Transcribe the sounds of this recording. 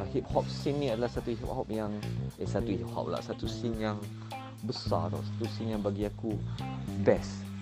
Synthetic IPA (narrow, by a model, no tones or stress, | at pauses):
hip̚hɔp̚sĩnnĩadalahsat̪uɦip̚hɔp̚jãŋɛsat̪uhip̚hɔ̰p̚la̰ʔsat̪usĩŋjãŋ | bəsa̰dɔ̰ʔsḁt̪usĩŋjãŋbaɡiakubɛs